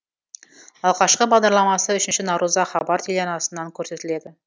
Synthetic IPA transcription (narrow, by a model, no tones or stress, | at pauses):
ɑlˠʁɑʃqəbɑʁd̪ɑɾlˠɑmɑsəʏʃɪnʃɪnɑɾuzɑχɑbɑɾt̪ʰeleɑnɑsənːɑŋkʲʰɵɾse̞t̪ɪle̞d̪ɪ